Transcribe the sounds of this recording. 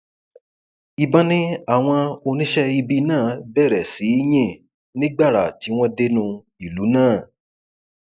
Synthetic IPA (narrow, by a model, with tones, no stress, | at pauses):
i˧ba˦nĩ˦a˦˨w̃ɔ̃˧o˧nĩ˦ʃɛ˦i˧bi˧nãː˦˨bɛ˦˨ɾɛ˨si˨˦i˦j̃ĩ˦˨ | nĩ˦ɡ͡ba˦˨ɾa˨ti˨˦w̃ɔ̃˦de˦nũ˧ | i˨lu˨˦nãː˦˨